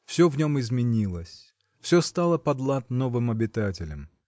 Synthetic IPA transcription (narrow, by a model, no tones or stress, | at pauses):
fsʲɵvnʲo̞mɪzmʲɪnʲilˠəsʲ | fsʲost̪alˠəpɐd̪lˠat̪no̞vɨmɐbʲɪt̪atʲɪlʲəm